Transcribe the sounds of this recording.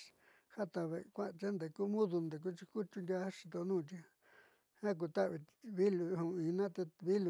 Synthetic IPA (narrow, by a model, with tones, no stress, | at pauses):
ha˦t̪a˧βe˧kʷã˦˧t͡ʃe˦nd̪e˨ku˦mũ˦ðu˧nd̪e˨k̬u˦t͡ʃi˧ku˦t͡ʃu˧nd̪ʲa˧˦ʂi̥˧t̪o˧nũː˦˧˨t͡ʃ̪i˧ | hã˦k̬u˧t̪a˦ʔβi˧βi˦lu˧hũ˧ĩ˧nã˦t̪e˧βi˦lu˨